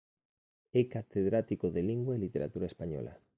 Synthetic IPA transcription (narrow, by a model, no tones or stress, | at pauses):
ɛkat̪eðɾat̪ikoðeliŋɡwaelit̪eɾa̰t̪uɾaespaɲɔ̰la̰